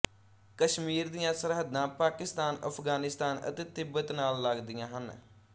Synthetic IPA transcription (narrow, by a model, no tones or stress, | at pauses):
kəʃmiːɾd̪ɪjãːsəɾɦəd̪ãːpaːkɪst̪aːnə̰pʰɡaːnɪst̪aːnə̰t̪eːt̪ɪbət̪naːlːaɡd̪ijãːɦən